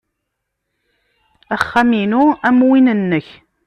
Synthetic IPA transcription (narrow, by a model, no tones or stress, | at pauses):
æχːæminuæmwinənːəç